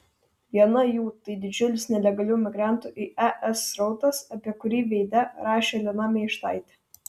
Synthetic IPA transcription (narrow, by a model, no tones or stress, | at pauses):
ʋʲiɛnɐjuːt̪ɐɪd̪ʲɪd͡ʒʲʊlʲɪsnʲɛlʲɛɡɐlʲuːmʲɪɡɾɑˑnt̪uːˑʔɪʔɛʔɛsɾɒʊt̪ɐsɐpʲiɛkʊɾʲiːʋʲɛɪd̪ʲɛɾɑːʃʲeːlʲɪnɑːmʲeɪʃt̪ɑˑɪt̪ʲɪ